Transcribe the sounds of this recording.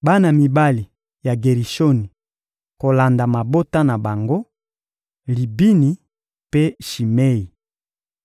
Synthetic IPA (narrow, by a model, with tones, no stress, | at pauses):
ba˦na˨mi˨ba˦li˨ | ja˨ɡe˨ʁi˨ʃo˦ni˨ | ko˨la˨nda˨ma˨bo˦ta˦na˨ba˨ŋɡo˦ | li˨bi˦ni˨ | pe˦ʃi˨me˦i˨